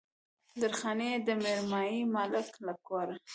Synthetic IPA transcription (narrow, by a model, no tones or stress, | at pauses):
d̪əɾxɑned̪əmeɾmɑjimalɪklakoɾa